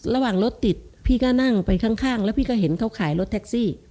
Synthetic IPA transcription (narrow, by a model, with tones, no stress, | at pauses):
ɾa˧waː˨˩ŋlo˦˥t̪ːi˨˩t̪̚pʰiː˥˩kɔː˥˩na˥˩ŋpa˧jkʰa˥˩ŋkʰaː˥˩ŋlɛː˧˦˥wpʰiː˧˩kɔː˥˩ɦe˩˦nkʰa˦˥˩wkʰaː˩˦jlo˦˥t̪ʰɛ˦˥k̚siː˥˩